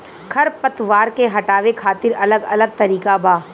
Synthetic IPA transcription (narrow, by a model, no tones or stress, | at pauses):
kʰɐɾpɐt̪ʋaːɾkeɦɐʈaːʋekʰaːt̪ɪɾɐləɡɐləɡ̚t̪ɐɾiːkabʱaː